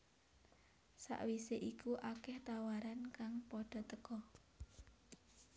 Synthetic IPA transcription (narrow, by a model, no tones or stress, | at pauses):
sa̰ʔwiseʔikuʔakɛht̪awaɾankaŋpɔɖ̥ɔ̤t̪əkɔ